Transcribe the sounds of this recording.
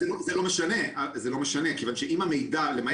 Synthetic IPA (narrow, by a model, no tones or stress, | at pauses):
eozelomeʃane̞azelo̞meʃanekevanʃeʔimamejd̪alema